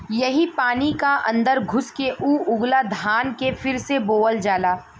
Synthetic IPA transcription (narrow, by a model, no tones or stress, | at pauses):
jɐɦipaːnikaʔɐ̰̃nd̪əɾɡʱʊskeʔuːʊɡlad̪ʱaːnkefɪɾseboːəld͡ʒaːlaː